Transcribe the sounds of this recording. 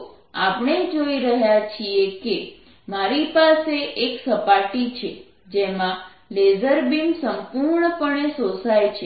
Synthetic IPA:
apɳ̃ed͡ʒoiɾəɦjat͡ʃʰieke | maɾipaseʔeksəpaʈit͡ʃʰe | d͡ʒemã | lezəɾbimsəmpuɾɳəpəɳesosajt͡ʃʰe

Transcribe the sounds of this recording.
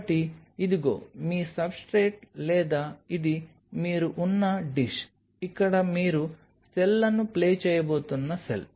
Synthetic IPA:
ʈiid̪iɡo̰ːmiːsɐbsʈɾeːʈlɛːd̪ɐid̪i | miːɾuʔunːɐɖiʃ | ikːɐɽɐmiːɾu | sɛlːɐnːupleːt͡ʃɛjɐboːt̪unːɐsḛl

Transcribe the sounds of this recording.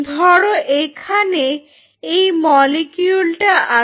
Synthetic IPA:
d̪ʱɔɽoʔekʰane | ejmɔlikjulʈaʔa

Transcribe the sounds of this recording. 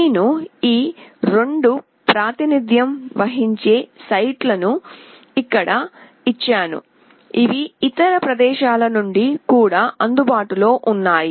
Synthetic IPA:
nuiːɾe̞ɳɖu | pɾaːt̪inid̪ʱjɐmʋɐɦiɲt͡ʃe̞ːsɐjʈlɐnu | ikːɐɽɐ | it͡ʃːaːnṵ | iʋiit̪ɐɾɐpɾɐd̪ɛːʃaːlɐnuɳɖikuːɽaːʔɐnd̪ubaːʈulo̞ːʔunːaːji

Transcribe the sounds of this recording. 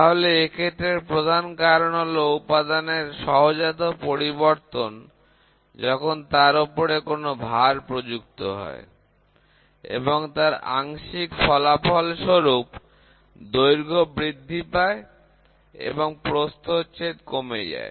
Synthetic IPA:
t̪aɦoleekʰeʈ̪ɾeɾpɾod̪ʱankaɾnɔloupad̪aneɾʃɔɦod͡ʑat̪opoɾiβoɾt̪on | d͡ʑɔkʰont̪aɾopoɾekonobʱaɾpɾod͡ʑuk̚t̪oɦɔ̰e | ḛboŋt̪aɾa̰ŋʃikfɔlapɔlʃoɾup | d̪ojɾɡʱobɾid̪ʱːipae | ḛboŋpɾost̪ot͡ɕet̪komḛd͡ʑa̰e

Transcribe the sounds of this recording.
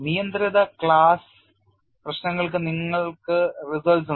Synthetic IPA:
nijɐnd̪ɾiðɐkɭaːs | prɐɕnɐŋːɐɭk̬ɨniŋːɐɭkɨrisɐlsu

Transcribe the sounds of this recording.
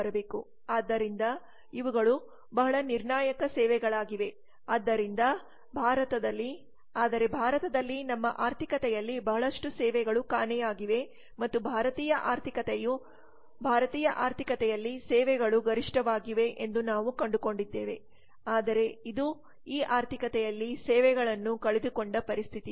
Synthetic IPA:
ɐɾɐbeːku | aːd̪ːɐɾind̪ɐ | iʋuɡɐɭu | bɐɦɐɭɐniɾɳaːjɐkɐsɛːʋɛɡɐɭaːɡiʋe̞ | aːd̪ːɐɾind̪ɐ | bʱaːɾɐt̪ɐd̪ɐlːi | aːd̪ɐɾe̞bʱaːɾɐt̪ɐd̪ɐlːinɐmːɐʔaːɾt̪ʰikɐt̪ɛjɐlːibɐɦɐɭɐʂʈusɛːʋɛɡɐɭukaːnɛjaːɡiʋe̞ | mɐt̪ːubʱaːɾɐt̪iːjɐʔaːɾt̪ʰikɐt̪ɛju | bʱaːɾɐt̪iːjɐʔaːɾt̪ʰikɐt̪ɛjɐlːisɛːʋɛɡɐɭuɡɐɾiʂʈɐʋaːɡiʋe̞ʔend̪unaːʋukɐɳɖuko̞ɳɖid̪ːeːʋe̞ | aːd̪ɐɾe̞id̪u | iːʔaːɾt̪ʰikɐt̪ɛjɐlːisɛːʋɛɡɐɭɐnːukɐɭed̪uko̞ɳɖɐpɐɾist̪ʰit̪i

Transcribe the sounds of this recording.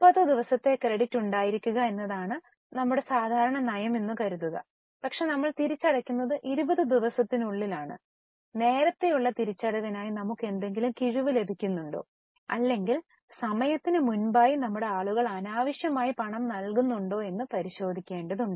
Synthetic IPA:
pɐðɨd̪iʋɐsɐt̪ːe̞krɐɽitːuɳɖaːjiɾikʲːuɣɐe̞nːɐðaːɳɨ | nɐmːuɽe̞saːd̪ʱaːɾɐɳɐnɐjɐme̞nːɨkɐɾunːɐɣɐ | pɐkʂe̞nɐmːɐɭt̪iɾit͡ɕːɐɽɐkʲːunːɐðɨʔiɾubɐðɨd̪iʋɐsɐt̪ːinuɭːilaːɳɨ̰ | ne̞ːɾɐt̪ːe̞juɭːɐt̪iɾit͡ɕːɐɽɐɣɐnaːjinɐmukːe̞nd̪e̞ŋɡilumkiɻuʋɨle̞bʱikʲːunːuɳɖo̰ː | ɐ̰lːe̞ŋɡil | sɐmɐjɐt̪ːinɨmunbaːjinɐmːuɽe̞aːɭuɣɐɭɐnaːʋɐɕjɐmaːjipɐɳɐmnɐlkunːuɳɖo̞ːe̞nːɨpɐɾiɕo̞ːd̪ʱikʲːe̞ːɳɖɐðuɳɖɨ

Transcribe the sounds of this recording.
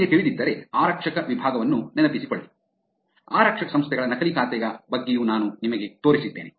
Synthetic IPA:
et̪iɭid̪id̪ːɐɾeaːɾɐkʂɐkɐʋibʱaːɡɐʋɐnːunɛnɐpisikoɭːi | aːɾɐkʂɐkɐsɐmst̪ʰɛɡɐɭɐnɐkɐlikaːt̪ɛɡɐbɐɡːejuːnaːnunimɐɡe̞t̪o̞ːɾisid̪ːeːne

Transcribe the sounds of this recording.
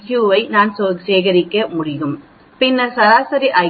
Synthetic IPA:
kjuːʋɐɪnaːnsoːseːɣɐɾɪkːɐmʊɽɪɣɯm | pɪnːɐɾsɐɾaːsɐɾiʔɐɪ

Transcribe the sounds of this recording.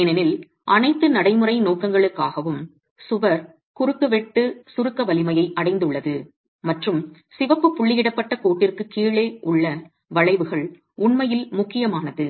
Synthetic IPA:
ɪnɐnɪl | ʔɐnɐɪt̪ːɯnɐɽɐɪmɯrɐɪnoːkɐŋɡɐɭɯkːaːɣɐʋɯm | sʊʋɐɾ | kʊɾɯkːɯʋɛʈːɯsʊɾɯkːɐʋɐlɪmɐjɐɪʔɐɽɐɪnd̪ɯɭːɐðɯ | mɐʈrɯm | sɪʋɐpːɯpːʊɭːɪjɪɽɐpːɐʈːɐkoːʈːɪrkɯkiːɭeːʔʊɭːɐ | ʋɐɭɐɪʋɯɣɐɭ | ʊɳmɐjɪlmʊkːɪjɐmaːnɐðɯ

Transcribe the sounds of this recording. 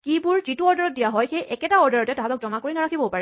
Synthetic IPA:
kibʊɹzituɔɹdɔɹɔt̚dijaɦɔjxejʔɛkɛtaɔɹdɔɹɔtɛtaatɔk̚zɔmakoɹinaɹakʰibɔpaɹɛ

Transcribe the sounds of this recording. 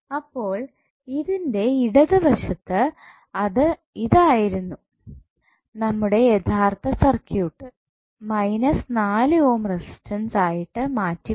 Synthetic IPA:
ɐpːo̞ːɭ | iðinde̞iɽɐðɨʋɐʂɐt̪ːɨ | ɐðɨ | iðaːjiɾunːu | nɐmːuɽe̞jet̪ʰaːrt̪ːɐsɐrkjuːʈːɨ | mɐjnɐsnaːlɨo̞ːmresi̥stɐnsaːjiʈːɨmaːtːu

